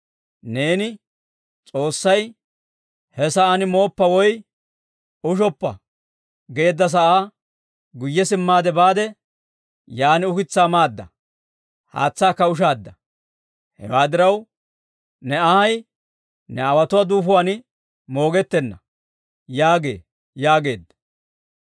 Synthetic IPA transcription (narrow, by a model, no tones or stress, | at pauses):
ne̞ːnɪ | t͡sʼo̞ːsːɐj | hɛsɐʔanɪmo̞ːpːɐwɔj | ʊʃ̬ɔpːɐ | ɡe̞ːd̪ːɐs̬ɐʔaː | ɡʊjːɛsɪmːaːd̪ɛbaːd̪ɛ | jaːnɪʊkɪt͡sːaːmaːd̪ːɐ | ha̰ːt͡sːaːkːɐʊʃ̬aːd̪ːɐ | hɛ̰waːd̪ɪɾɐw | nɛɐhɐj | nɛɐwɐt̪ʊwaːd̪uːfʊwaːnɪ | mo̞ːɡɛt̪ːɛnːɐ | jaːɡe̞̰ː | jaːɡe̞̰ːd̪ː